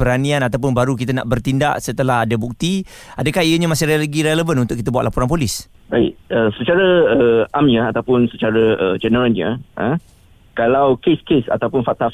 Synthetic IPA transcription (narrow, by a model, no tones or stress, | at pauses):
pəɾanianat̪awp̬ʊnbaɾukit̪ana̰ʔbərt̪inda̰ʔsət̪əlaɦadabuk̚t̪iadəkaɦiəɲãmasɪɾeləɡiɾeləvənunt̪ʊkit̪əbuaʔ̪lapuɾanpolis | baɪ̰ʔəsət͡ʃaɾəəamɲəat̪awpʊnsət͡ʃaɾəəd͡ʒɛnəɾəlɲə̰ə̃ | kalawkeskesa̰t̪awpʊnfat̪a